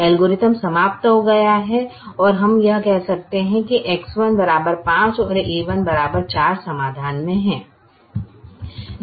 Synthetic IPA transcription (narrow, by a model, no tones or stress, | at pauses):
ɛlɡoɾɪt̪əmsɐmaːp̚t̪ɦoɡɐjaɦɛɔːɾɦɐmjɐɦkɛɦsɐk̚t̪eɦɛ̃kiʔekswənbɐɾaːbəɾpãːt͡ʃɔːɾeːʋənbɐɾaːbəɾt͡ʃaːɾsɐmaːd̪ʱaːnmẽɦɛ̃ː